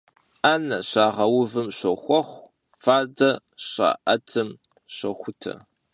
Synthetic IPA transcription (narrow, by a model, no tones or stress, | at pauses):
ʔaːnɐɕaːʁɐwʊvɨmɕɐxʷɔχʷ | faːdɐ | ɕa̰ːʔɐtʰɨm | ɕɐxʷʊtʰɐ̰